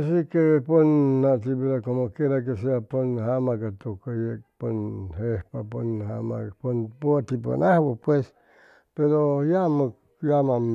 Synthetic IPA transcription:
asikeponnat̪ibiɾakomokeɾak̬eseaponhamakat̪ukajek̚ponhehpaponha̰ma̰ponpoat̪ipa̰nahwopwes | peɾojama | jamam

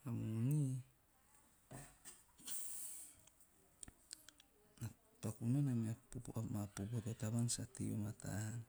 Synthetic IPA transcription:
amuni | na | pakunanameapopʔamapopotataβansatḭo̰mata̰n

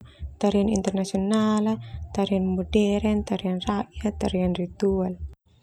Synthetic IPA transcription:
t̪aɾianḭnt̪ɛrnasionalat̪aɾianmodɛɾɛnt̪aɾianrajat̪aɾianrit̪ual

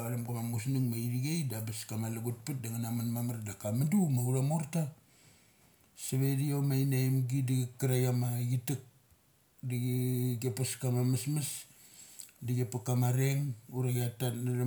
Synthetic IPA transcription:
aɾamɡamamus̬nuŋmaiɾiɡejdabaskamalaɡut̚pat̚daŋanamanmamaɾdakamadumauɾamoɾta | saβediomajnajmɡidiɡekaɾajamaɡitak̚ | diɡɡepaskamamasmas | diɡepakamaɾeŋuɾaɡeatanaɾa

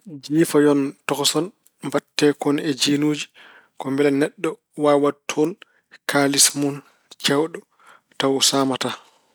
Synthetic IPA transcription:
d͡ʒiːfajɔntɔksɔn | mbatːɛːkɔnɛd͡ʒiːnuːd͡ʒi | kɔmbɛlɛnɛɗːɔ | waːwatʰɔn | kʰalismun | t͡ʃɛwɗɔ | tawsaːmata

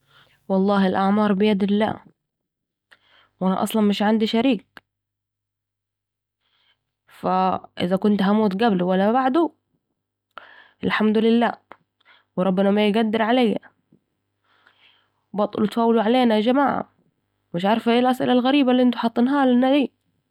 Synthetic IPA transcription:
wɑlˤːɑːhɪlʔaʕmɑːɾˤbɪjad̪lːa̰ː | wʔana̰ʔɑ̰sˤlɑnmɪʃʕand̪iʃaɾiːk̚ | faʔɪ̰ðakʊnt̪ɦamuːt̪ɡabluwalːabaʕd̪u | ʔɪlħamd̪ʊlɪlːa̰ː | wɾˤɑbːɪnamajɡad̪ːɪɾʕalajːa̰ | bɑt̪ˤʊ̰lut̪faːwːɪluʕaleːnad͡ʒamaːʕa̰ | mɪʃʕɑɾˤfaʔeːlʔasʔɪ̰lalɣaɾiːbalːiʔɪnt̪ʊ̥ħɑt̪ˤːɨnɦaːlanːad̪iː

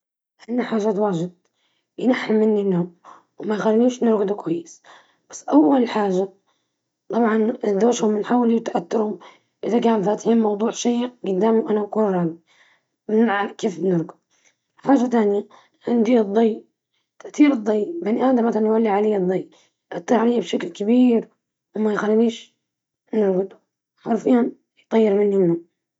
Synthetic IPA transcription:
ʔanːaħaːʒat̪waːʒɪd̪̚ | jɪnaħːamːɪnːinːʊm | wmajxalniːʃnɪɾɡʊd̪ukwajːɪs | b̥ḁsːʔawːalħaːʒa | t̪ˤɑbʕɑnd̪oːʃhʊmɪnħaːwɪliwt̪aʔat̪ːʊɾhʊm | ʔɪðakaːnfaːt̪ɪ̥ħiːnmɑwd̪ˤuːʕʃiːɡʊd̪ːaːmiwʔanabakuːnɾˤɑːɡi | ʕakeːfbnɪɾˤɡʊ | lħaːʒat̪aːnja | ʕɪnd̪id̪ˤːɑjː | t̪aʔt̪iːɾɨd̪ˤːɑjːbaniʔaːd̪amaθalanjwalːiʕalejːd̪ˤːɑj | ʔat̪ːɑɾˤʕalejːabʃaklkabiːɾ | wmajxalːliːʃ | nɪɾɡʊd̪ | ħaɾˤfiːhan | jt̪ˤɑjːɪɾmɪnːinhʊm

